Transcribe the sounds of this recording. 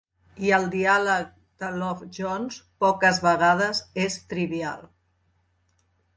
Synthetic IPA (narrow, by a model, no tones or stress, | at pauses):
iəlˠd̪ialək̚ | d̪̥əlɔfʒɔnspɔkəzβəɣað̞əzest̪ɾiβia̰lˠ